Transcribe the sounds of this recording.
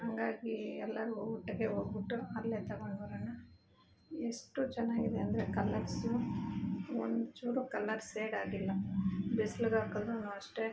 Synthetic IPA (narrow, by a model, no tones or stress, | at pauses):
ɦɐŋɡaːɡiɛlːɐɾoɡuʈːɐɡeɦoːɡbiʈːuɐlːeːt̪ɐɡoɳɖɐɐɾɐnːu | eʂʈut͡ʃɛnːaːɡid̪eɐnd̪ɐɾekɐlːɐɾsu | o̰nd̪t͡ʃuːɾukɐlːɐɾseːɽaːɽilːɐbislɡaːkɐd̪ɾunɐːʋɐʂʈe